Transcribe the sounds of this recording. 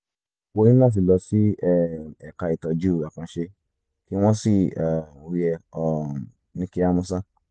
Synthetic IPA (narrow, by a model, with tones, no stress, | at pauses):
wo˧ĩ˦a˦˨s̬i˨lɔ˧si˦ɛ˦ɛ˨ka˧i˨tɔ˨d͡ʒu˦˨ɡa˨kã˧ʃe˧ | ki˦w̃ɔ̃˦si˦˨a˨wi˧ɛ˧ɔ˨˧ | nĩ˧ki˧a˦˧mũ˧s̬a˦